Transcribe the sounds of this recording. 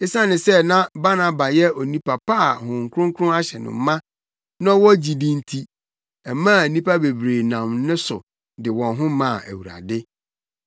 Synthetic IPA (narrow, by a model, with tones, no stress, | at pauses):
ɪ˦sã˦nɪ̃˨sɛ˦nã˦ba˦nã˨ba˨jɛ˦ɔ˨nĩ˦pʰa˨pʰa˦˨hʊ̃˨ŋ̩˨kʰʊ˦ʊ̃˦ŋ˦kʰʊ˦ʊ̃˦a˦ɕɛ˨nʊ̰̃˨m˦mã˦ | nã˦wɔ˦d͡ʑi˨dĩ˦n˦tʰi˦ | ɛ˨mã˦˨nĩ˦pa˦be˨bɾeː˨nã˨mnɪ̃˦sʊ˨ | dɪ˨wɔ̃˨nɦʊ̃˦mã˨ʔæ̰˨wu˨ɾa̰˨dɪ˦